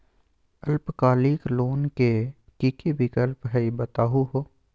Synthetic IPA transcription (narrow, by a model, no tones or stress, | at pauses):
ɐlpkaːliːkloːnke | kikibɪkəlpɦɛibɐt̪aːɦuɦoː